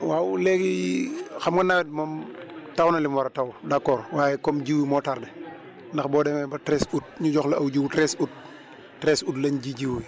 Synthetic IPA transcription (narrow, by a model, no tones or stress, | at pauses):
wawlɛɡixɐmɡɐnawɛd̚mɔmtɐwnɐlimwɐɾɐtawdakːɔːɾwaːjɛkɔmd͡ʒiwimɔtaɾdɛ | ndɐxbɔːdɛmɛbɐtɾɛsut̚ɲuɟɔxlɐɐwɟiwtɾɛsut̚ | tɾɛsutlɐɲd͡ʒiɟiwwi